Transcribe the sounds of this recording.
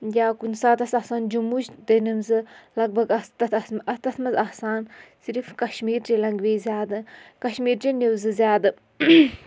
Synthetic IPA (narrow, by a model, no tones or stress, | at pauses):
jʲaːkunsaːt̪ɐsɐsaːnd͡ʒumut͡ʃd̪enimzɨlɐɡ̚bʱɐɡɐst̪ɐt̪ʰɐsɐst̪ɐt̪ʰmɐzahsaːnsiɾfkɐʃmiːɾʈelɐŋɡʋeːzʲjaːd̪ɨkɐʃmiːɾʈenewzɨzʲjaːd̪ɨ